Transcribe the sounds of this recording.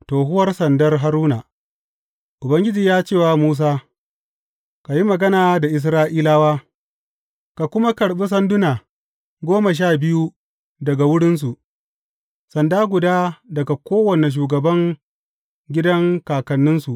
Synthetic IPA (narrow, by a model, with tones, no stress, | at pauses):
toː˨ɦʊ˦wɐ˦rsɐ˨ndɐ˦rɦa˦ɾuː˦na˨ | ʔʊ˨bɐ˦ŋɡʲɪ˦d͡ʒiː˨jaː˦t͡ʃeː˦˨waː˨muː˦s̬aː˦ | ka˨ji˦mɐ˨ɡɐ˦naː˨da˨ʔɪ˨s̬ɾaː˦ʔiː˦laː˦waː˦ | ka˨kʷʊ˦ma˦kɐ˨ɽɓi˦s̬ɐ˦ndʊ˦naː˨ | ɡʷoː˦mɐ˨ʃ̬aː˦˨bɪ˦ju˦ | dɐ˨ɡa˨wʊ˦ɽɪ˦ns̬u˨ʔ | sɐ˨ndaː˦ɡʷʊ˨daː˦dɐ˨ɡa˨kʷoː˦wɐ˨ne˨ʃ̬uː˨ɡɐ˨bɐ˦ŋ | ɡʲɪ˦dɐ˦ŋkaː˨kɐ˨nːɪ˦nsu˨ʔ